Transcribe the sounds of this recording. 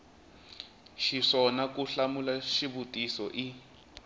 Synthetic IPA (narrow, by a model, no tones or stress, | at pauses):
ʃiʂɔnakuɬamulaʃibutʼisɔʔi